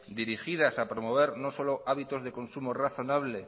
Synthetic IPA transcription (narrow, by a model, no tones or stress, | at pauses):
d̪iɾixiðasapɾomo̞β̞e̞ɾnoso̞loʔaβit̪ozðe̞ko̞nsumoraθo̞naβ̞le